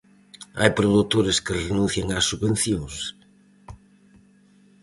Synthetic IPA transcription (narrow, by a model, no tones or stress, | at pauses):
a̰jpɾoðut̪oɾeskɪrenũnθjaŋasːuβẽn̟θjõŋs